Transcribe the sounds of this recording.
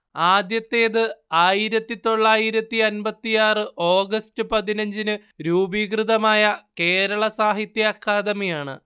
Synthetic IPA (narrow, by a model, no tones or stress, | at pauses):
aːd̪jɐt̪ːe̞ːðɨaːjiɾɐt̪ːit̪o̞ɭːaːjiɾɐt̪ːiɐnbɐt̪ːijaːrɨʔo̞ːɡɐstɨpɐðinɐɲd͡ʑinɨ | ɾuːbiɡrɨðɐmaːjɐke̞ːɾɐɭɐsaːɦit̪jaːkʰːaːd̪ɐmijaːɳɨ̰